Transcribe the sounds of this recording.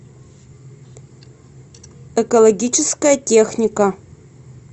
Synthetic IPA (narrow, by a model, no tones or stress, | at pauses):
ɛkolˠoɡʲit͡ʃʰɪskɐjɐtʲexnʲikɐ